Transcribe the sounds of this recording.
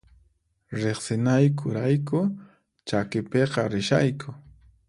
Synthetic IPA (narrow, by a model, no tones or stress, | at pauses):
ɾeχsɪnajkʰʊɾajkʊ | t͡ʃakɪpeqɑɾɪʃajkʰʊ